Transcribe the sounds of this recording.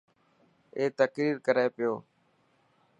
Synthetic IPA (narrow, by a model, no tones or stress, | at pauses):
eːt̪əkɾiːɾkəɾeːpɪjoː